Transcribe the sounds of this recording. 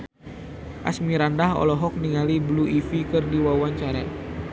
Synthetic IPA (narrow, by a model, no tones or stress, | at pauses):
ʔa̰smiɾandaɦɔ̰lɔɦɔk̚niŋalibluʔifikɨrdiwawaɲt͡ʃaɾa